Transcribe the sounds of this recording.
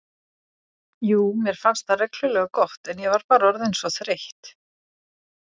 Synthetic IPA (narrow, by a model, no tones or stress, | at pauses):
juːmjɛɾ̥fanst̪arɛklʏlɛɣakɔht̪ɛnjɛvaɾpaːɾaɔɾðejnsɔθɾejht̪